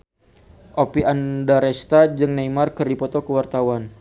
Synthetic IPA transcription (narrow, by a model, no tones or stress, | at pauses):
ʔopiʔandaɾɛst̪ad͡ʒɨŋnajmarkɨrdipɔt̪ɔkəwart̪awan